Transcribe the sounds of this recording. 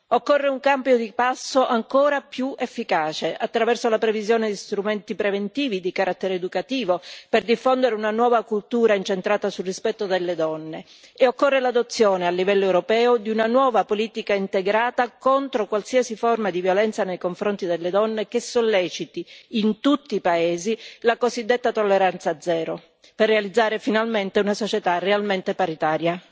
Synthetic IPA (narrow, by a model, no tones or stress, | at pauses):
okːorːeuŋkambjod̪ipasːoʔaŋkoːɾapjuefːikaːt͡ʃeʔat̪ːɾavɛrsolapɾevizjoːned̪ist̪ɾument̪ipɾevent̪iːvid̪ikaɾʔat̪ːeɾeːd̪ukat̪iːvoperd̪ifːond̪eɾeunanwɔːvakult̪uːɾaint͡ʃent̪ɾaːt̪asulrispɛt̪ːod̪elːed̪ɔnːe | eokːorːelad̪ot̪sːjoːnealːivɛlːoɛwɾopɛːod̪iunanwɔːvapoliːt̪ikaint̪eɡɾaːt̪akont̪ɾokwalsiasiformad̪ivjolɛnt̪sanejkoɱfɾont̪id̪elːed̪ɔnːekesːolːɛːt͡ʃit̪iːnt̪ut̪ːiːpaeːzilakozid̪ːet̪ːat̪olːeɾant̪sad̪zɛːɾo | perːealid̪zːaːɾefinalment̪eunasot͡ʃet̪arealment̪epaɾit̪aːɾja